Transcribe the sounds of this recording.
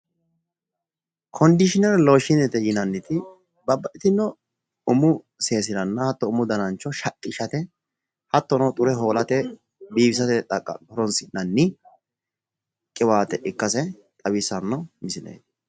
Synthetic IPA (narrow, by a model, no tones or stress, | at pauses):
kʰɔnd̪ɪʃɪnɛɾɛlo̞ːʃɪnɛt̪ɛjɪnɐnːɪt̪ɪ | bɐbːɐʔɪt̪ɪnːɔ | ʊmʊ | se̞ːsɪɾɐnːɐhɐt̪ːɔʊmʊd̪ɐnɐnt͡ʃːɔʃɐkʼːɪʃɐt̪ɛ | hɐt̪ːɔnɐt̪ʼʊɾɛɦo̞ːlɐt̪ɛ | biːbɪs̬ɐt̪ɛt̪ʼɐkʼːɐ̰ɔɾɔnsɪnɐnːɪ | kʼːɪwaːt̪ɛʔɪkːɐsɛ | t̪ʼɐbɪsɐnːɐmɪsɪnḛːd̪